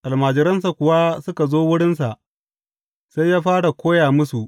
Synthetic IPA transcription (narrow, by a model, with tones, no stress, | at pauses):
ʔa˨lmaː˨d͡ʒɪ˨ɾɐ˦ns̬a˨kʷʊ˨wa˦sʊ˦ka˨zoː˦wʊ˦ɽɪ˦nsa˨ʔ | sa˦jːaː˦ɸaː˦ɽa˨kʷoː˦jaː˨mʊ˦su˨ʔ